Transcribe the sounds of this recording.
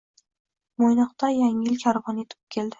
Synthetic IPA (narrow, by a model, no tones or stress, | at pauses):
mojnɑqt̪ajaŋɪlkʲʰaɾvɒnet̪ʰɪ̥p̚kʲʰe̞ld̪ɪ̥